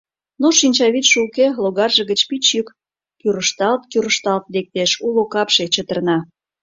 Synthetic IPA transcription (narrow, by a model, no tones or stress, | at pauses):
noʃinʲt͡ɕɑβit̪ʃulkeloɣɑrʒĕɣət͡ɕpit͡ɕyk | kyɾəʃt̪ɑlt̪̚kyɾəʃt̪ɑlt̪lek̚t̪eʃulokɑpʃet͡ɕət̪ə̆rnɑ